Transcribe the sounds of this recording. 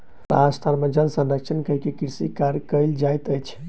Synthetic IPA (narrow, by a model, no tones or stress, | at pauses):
ɾa̰t̪ʰaɾmẽd͡ʒəlsənɾəkt͡ʃʰənkəɦkekiɾsikaɾkəɪld͡ʒajt̪əjt͡ʃʰ